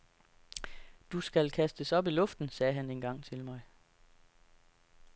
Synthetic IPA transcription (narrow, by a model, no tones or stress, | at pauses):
d̥usɡ̥ælkʰæsd̥əsɒ̽b̥ilɔ̽fd̥n̩sɛːɦæne̝ːnɡ̥ɑ̈ŋ̰t͡sʰe̝lmɑ̈ɪ